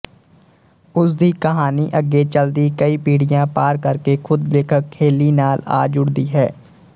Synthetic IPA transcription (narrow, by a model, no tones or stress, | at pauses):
ʊsd̪ikəɦaːniʔəɡːet͡ʃəld̪ikəipiːɽɪjãːpaːɾkəɾkexʊd̪leːkʰəkkʰːeːlinaːla̰ːd͡ʒʊɽd̪iɦɛː